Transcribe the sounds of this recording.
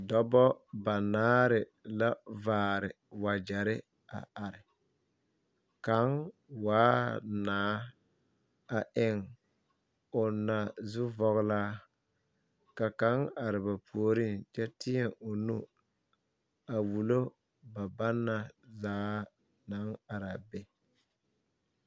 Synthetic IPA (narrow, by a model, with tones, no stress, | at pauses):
dɔ˦bɔ˦ba˨naː˦ɾɪ˨ | la˦vaː˨˦˨ɾɪ˨ | wa˨d͡ʒɛ˨ɾɪ˦ | a̰˨ʔa˨ɾɪ˨ | ka˨˦ŋwaː˦naː˨˦ | a˨ʔɪ˨ŋ | ʊ˨na˨zʊ˦vɔ˨ɣlaː˦ | ka˨ka˨˦ŋa˨ɾɪ˨ba˨pu˨o˨ɾi˦nt͡ʃɛ˦tɪ˦ɛ˦˨ŋʊ˨nu˦ | a˨wu˨lo˦ | ba˨ba˦nːa˨zaː˨˦ | na˨˦ŋa˨ɾa˨bɛ˨